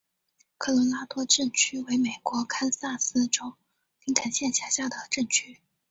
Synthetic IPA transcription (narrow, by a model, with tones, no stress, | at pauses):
kʰɤ˥˩lɔ˧˥la˥t̪ʰwɔ˥ʈ͡ʂə˥˩ŋt͡ɕʰy˥we˧˥ɪme˨˩ɪkwɔ˧˥kʰa˥nsa˥˩sɹ̩˥ʈ͡ʂo˥ʊ | li˧˥ŋt̪ʰa˨˩nɕjɛ˥˧nɕja˧˥˩ɕja˥˩d̪ə˩ʈ͡ʂə˥˩ŋt͡ɕʰy˥